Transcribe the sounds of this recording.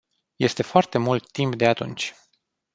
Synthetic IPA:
je̞st̪e̞foart̪e̞mult̪ːimpd̪e̞at̪ṵnt͡ʃʲ

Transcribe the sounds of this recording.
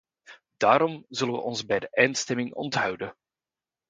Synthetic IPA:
d̥aːɾɔmzɵlənʋə̰ʔɔnzbɛjdəʔɛntstɛmɪŋɔ̰ntɦœwdə

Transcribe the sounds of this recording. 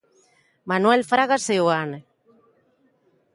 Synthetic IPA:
manwelfɾaɣaseuane

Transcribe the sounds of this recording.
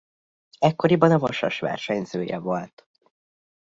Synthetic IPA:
ɛkːo̞ɾibɒnɒvɒʃɒ̰ʃʋa̰ːrʃɛɲzøːjɛ̰volt̪

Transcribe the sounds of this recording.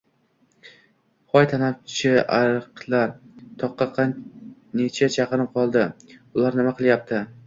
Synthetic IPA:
χɒjt̪ʰanaft͡ʃʰɪaɾɨqlˠaɾt̪ʰɒqːɑqʰɑnnet͡ʃʰat͡ʃʰɑqɨɾmqʰɒlˠd̪ɪʊlaɾnɪmaqʰɨlˠjap̚t̪ʰɪ

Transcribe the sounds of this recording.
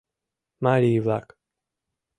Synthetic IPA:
maɾivak

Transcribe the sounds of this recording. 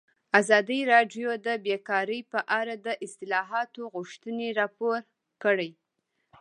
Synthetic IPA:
azɑd̪əɾɑɖjod̪əbekɑɾəjpəʔaɾad̪əʔɪst̪ɪlɑɦɑt̪oɣʊʃt̪əneɾɑpoɾ | kəɽəj

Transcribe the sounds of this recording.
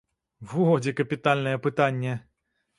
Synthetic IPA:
vɨɦɔd͡zʲikɐpʲit̪alʲnɐjɛpɨt̪anʲːɛ

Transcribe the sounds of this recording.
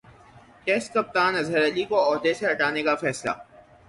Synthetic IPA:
ʈeːskɐp̚t̪aːnɐzɦəɾɐlikoɔːɦd̪eseɦɐʈaːnekafɛːsla̰ː

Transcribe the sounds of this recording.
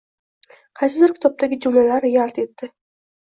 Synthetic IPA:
qʰɑjsɪd̪ɪɾkʲɪ̥t̪ʰɒp̚t̪ʰaɡʲɪd͡ʒʊmlalaɾjaɾt̪e̞t̪ːɪ

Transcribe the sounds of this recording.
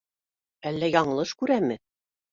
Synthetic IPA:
ælːæjɑɴɤ̆lˠɤʃkʉɾæmɘ

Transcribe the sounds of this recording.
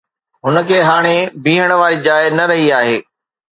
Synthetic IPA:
ɦʊnə̆kʰeːɦaːɽ̃ebĩːɦəɽ̃ʊʋaːɾiːd͡ʑaːɪnɐɾɐɦiaːɦeː

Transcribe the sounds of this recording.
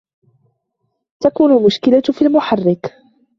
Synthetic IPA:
t̪akuːnʊlmʊʃkɪlafiːlmʊħarːɪk

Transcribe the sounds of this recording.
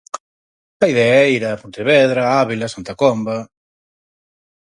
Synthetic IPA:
aiðeaɛiɾapũnt̪eβeðɾaaβilasant̪akomba

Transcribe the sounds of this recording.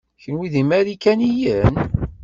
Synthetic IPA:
çənwiðimæɾikænijən

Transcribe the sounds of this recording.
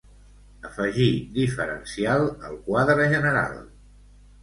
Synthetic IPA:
əfəʒid̪ifəɾə̰nsialˠəlˠkwaðɾəʒənəɾa̰lˠ

